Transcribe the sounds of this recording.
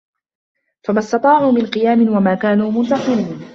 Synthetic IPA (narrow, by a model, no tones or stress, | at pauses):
famast̪ɑt̪ˤɑːʕuːmɪnqɨjaːmɪnwamaːkaːnuːmʊnt̪ɑsˤɨɾiːn